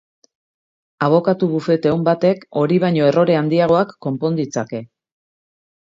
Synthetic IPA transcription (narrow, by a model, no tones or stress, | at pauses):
aβ̞o̞kat̪uβufe̞t̪eumbat̪e̞ko̞ɾiβ̞aɲo̞e̞ro̞ɾe̞and̪iaɣ̞o̞akːo̞mpo̞nd̪it͡sake̞